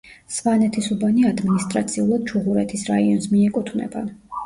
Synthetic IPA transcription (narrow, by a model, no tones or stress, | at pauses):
svanɛt̪ʰisubaniad̪minist̪ʼɾat̪sʰiulˠad̪̥̚t͡ʃʰuʁuɾɛt̪ʰisɾaiɔnsmiɛkʼut̪ʰvnɛ̰ban